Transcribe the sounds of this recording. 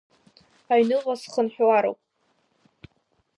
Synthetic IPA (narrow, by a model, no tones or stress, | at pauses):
aɥnɨʁʷasχənħwaɾo̰wpʼ